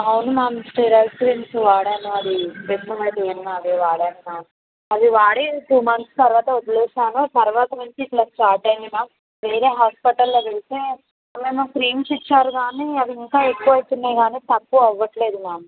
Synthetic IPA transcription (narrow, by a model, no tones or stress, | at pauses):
ɐwunumaːmsʈeːɾɐːlskɾiːnsʋaːɽaːnoɐd̪ipetnɐmɐjt̪eːnnaːdeːʋaːɽaːnnaː | ɐd̪iʋaːɽeːt̪uːmɐnst̪ɐɾuʋaːt̪ɐɔt̪ɐleːsaːnut̪ɐɾʋaːt̪ɐʋɐnt͡ʃiːʈlaːsʈaːɾʈɐjninaː | ʋeːɾeːɦaːspiʈɐlːoʋeɭit̪eː | meːnɐkɾiːnsit͡ʃːaːɾuɡaːniːɐd̪iiŋkaːekːuʋɐjit̪unːeːɡaːniːt̪ɐpːuɐʋːɐʈle̞ːd̪unaːmu